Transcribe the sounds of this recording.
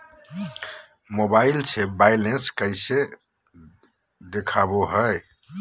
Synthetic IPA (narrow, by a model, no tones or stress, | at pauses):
mobailt͡ʃʰebajlenskəjse | d̪ekʰaboɦəj